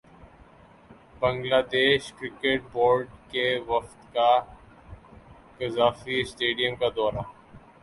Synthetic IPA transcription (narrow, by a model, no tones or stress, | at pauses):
bɐ̃ŋɡlaːd̪eːʃkɾɪkeʈ̚boːɾɖkeʋɐqt̪ka | kɪzaːfisʈeːɖijəmkad̪ɔːɾaː